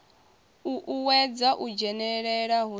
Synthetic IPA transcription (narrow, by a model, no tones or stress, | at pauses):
ʔuwɛd͡zaʔud͡ʒɛnɛɺɛɺaɦu